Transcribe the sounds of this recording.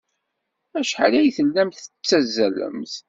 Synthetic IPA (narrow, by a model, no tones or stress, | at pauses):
æʃħalæjθəlːæmθət͡sːæzːælə̰mθ